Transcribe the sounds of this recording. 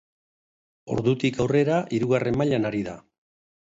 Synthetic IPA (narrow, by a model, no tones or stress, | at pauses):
o̞̰ɾðut̪ikawre̞ɾaʔiɾuɣare̞mmaʎanaɾiða